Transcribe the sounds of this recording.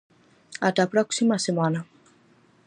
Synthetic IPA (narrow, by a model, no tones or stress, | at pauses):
atapɾaku̥simasemana